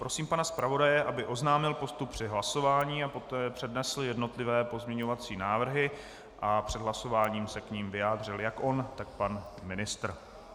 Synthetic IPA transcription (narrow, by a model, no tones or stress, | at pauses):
pɾo̞siːmpanaspɾavo̞dajɛʔabɪʔo̞znaːmɪlpo̞st̪uppːr̝̥ɪɦlaso̞vaːɲiːapo̞t̪ɛːpr̝̥ɛdnɛsl̩jɛdno̞t̪lɪvɛːpo̞zmɲɛɲo̞vat͡siːnaːvr̩ɦɪ | ʔapr̝̥ɛd̪ɦlaso̞vaːɲiːmsɛkɲiːmvɪjaːd̪r̝ɪljakʔo̞nt̪ak̚panmɪnɪst̪r